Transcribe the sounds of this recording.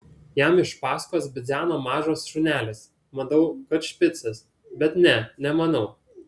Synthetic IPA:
jɛmɪʃpɑːskoːsbʲɪd̪zʲæːnoːmɑːʒoːsʃʊnʲæːlʲɪs | mɐd̪ɐʊkɐt̪ʃʲpʲɪt̪sʲɛs | bʲɛt̪nʲɛnʲɛmɐnɐʊ

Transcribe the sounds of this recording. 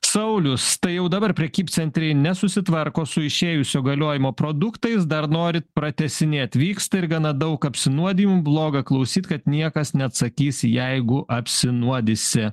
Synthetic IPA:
sɐʊlʲʊst̪ɐɪjɛʊd̪ɐbɐɾpʲɾʲɛkʲiːp̪sʲɛnʲt̪ʲɾʲɛɪnʲɛsʊsʲɪt̪ʋɐɾkoːsʊɪʃʲeːjʊsʲoːɡɐlʲoːjɪmoːpɾoːd̪ʊkt̪ɐɪs̬d̪ɐɾnoːɾʲɪt̪̚pɾɐt̪ʲɛsʲɪnʲɛɪɐt̪ʲʋʲiːkst̪ɐɪɾɡɑnɐd̪ɐʊkɐpʲsʲɪnuɔd̪ʲiːmʊblˠoːɡɐklˠɐʊsʲiːt̪kɐt̪nʲiɛkɐsnʲɛɐt̪sɐkʲiːsʲjɛɪɡʊʔɐpʲsʲɪnuɔd̪ʲɪsʲɪ

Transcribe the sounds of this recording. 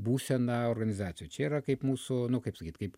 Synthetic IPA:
buːsʲɛnɐoɾɡɐnʲɪzɑːt̪sʲjut͡ʃʲɛiːɾɐkɐɪpmuːsʊnʊkɐɪpsɐkʲiːt̪kɐɪp

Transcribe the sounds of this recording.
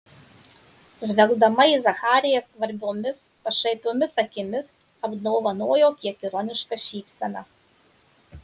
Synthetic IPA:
ʒʲʋʲɛlˠɡd̪ɐmɐizɐxɑːɾʲɪjɛskʋɐɾʲbʲoːmʲɪspɐʃɐɪpʲoːmʲɪsɐkʲɪmʲɪs | ɐbd̪ɔʊʋɐnoɔjoːkʲiɛkʲɪɾɔnʲɪʃkɐʃʲiːpʲsʲɛnɑː

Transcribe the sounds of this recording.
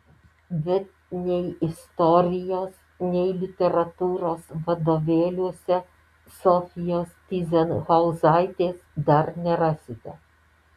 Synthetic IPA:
bʲɛt̪̚ | nʲɛɪɪst̪ɔɾʲɪjoːs | nʲɛɪlʲɪt̪ʲɛɾɐt̪uːɾoːsʋɐd̪oːʋʲeːlʲuɔsʲɛ | sɔfʲɪjoːst̪ʲiːzʲɛnɣɐʊzɑɪt̪ʲeːsd̪ɐɾnʲɛɾɑːsʲɪt̪ʲɛ̰

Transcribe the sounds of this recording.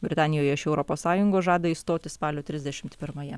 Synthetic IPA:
bʲɾʲɪt̪ɑːnʲɪjoːjɛɪʃɛʊɾɔpoːssɑːjʊŋɡoːʒɑːd̪ɐist̪oːt̪ʲɪspɑːlʲoːt̪ʲɾʲɪzʲd̪ʲɛʃʲɪmt̪pʲɪɾmɐjɛ

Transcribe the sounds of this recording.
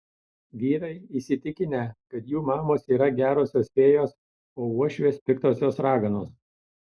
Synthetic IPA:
ɡʲiːɾɐɪisʲɪt̪ʲɪkʲɪnʲɛkɐt̪juːmɑːmoːsiːɾɐɡʲæːɾoːsʲoːsfʲeːjoːs | oːuɔʃʲʋʲeːspʲɪkt̪oːsʲoːsɾɑːɡɐnoːs

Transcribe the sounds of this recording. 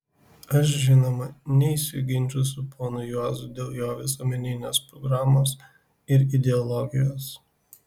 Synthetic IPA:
ɐʃ̬ʒʲɪnoːmɐnʲɛisʲɪɡʲɪnʲt͡ʃʲʊsʲʊpoːnʊjoːzʊd̪ʲeːlˠjoːʋʲɪsoːmʲɛnʲɪnʲoːspɾɔɡɾɑːmoːs | ɪɾɪd̪ʲɛɔlˠɔɡʲɪjoːs

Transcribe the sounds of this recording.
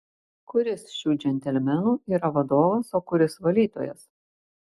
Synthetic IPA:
kʊɾʲɪsʃʲuːd͡ʒʲɛnʲt̪ʲɛlʲmʲɛnuːiːɾɐʋɐd̪oːʋɐsoːkʊɾʲɪsʋɐlʲiːt̪o̰ːjɛ̰s

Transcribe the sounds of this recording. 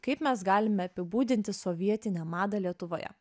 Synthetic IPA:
kɐɪpmʲɛsɡɑːlʲɪmʲɛɐpʲɪbuːd̪ʲɪnʲt̪ʲɪsɔʋʲiɛt̪ʲɪnʲɛmɑːd̪ɐlʲiɛt̪ʊʋoːjɛ̰

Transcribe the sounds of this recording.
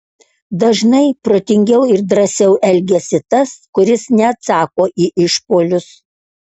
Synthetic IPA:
d̪ɐʒnɐɪpɾoːt̪ʲɪŋʲɡʲɛʊɪɾd̪ɾɐsʲɛʊʔɛlʲɡʲɛsʲɪt̪ɐskʊɾʲɪsnʲɛɐt̪sɑːkoːʔiːʔɪʃpoːlʲʊs

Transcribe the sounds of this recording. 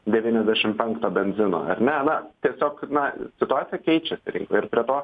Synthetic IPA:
d̪ʲɛʋʲiːnʲɛzʲd̪ʲæʃʲɪmpʲɛŋkt̪oːbʲɛnʲzʲɪno̰ːɐ̰ɾʲnʲɛnɐt̪ʲiɛsʲoːknɐsʲɪt̪ʊaːt̪ʲɪjɛkʲɛɪt͡ʃʲɛsʲɪɾʲɪ̰ŋko̰ːɪɾpʲɾʲiɛt̪oː

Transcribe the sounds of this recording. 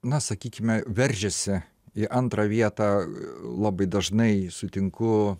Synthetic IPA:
nɐsɐkʲiːkʲɪmʲɛʋʲɛɾʲʒʲɛsʲɪ | ɪʔɐnt̪ɾɑʋʲiɛt̪ɑːlˠɑːbɐɪd̪ɐʒnɐɪsʊt̪ʲɪŋkʊ

